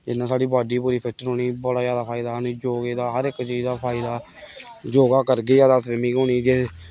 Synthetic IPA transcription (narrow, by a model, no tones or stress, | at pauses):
d͡ʒɪnːãːsaːɖiːbaːɖiːpuːɾiːpʰɪʈːəɾɦoːniːbɔɽaːjaːd̪aːpʰaːɪd̪aːnẽːd͡ʒoːɡeːd̪aːɦəɾɪkt͡ʃiːzd̪aːpʰaːɪd̪aː | d͡ʒoːɡaːkəɾɡeːd͡ʒaːd̪aːsʋɪmĩːɡoːniːd͡ʒe